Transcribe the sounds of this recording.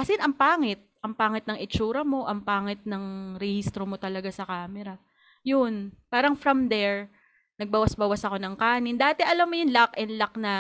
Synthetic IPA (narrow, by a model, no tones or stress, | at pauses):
kɐsɛnʔɐŋpaːŋɪt̪̚ʔɐŋpaːŋɪt̪nɐŋɪt͡ʃuːɾɐmo̞ʔɐŋpaːŋɪt̪̚nɐŋɾɛhist̪ɾomo̞t̪ɐlɐɡasɐkaːmɛɾɐ | jʊnpaːɾɐŋfɾɐmd̪ɛɹ | nɐɡ̚bɐwasbɐwasɐko̞nɐŋkaːnɪnd̪aːt̪ɛʔɐlɐmːojʊnlakʔɛnd̪lɐk̚nɐ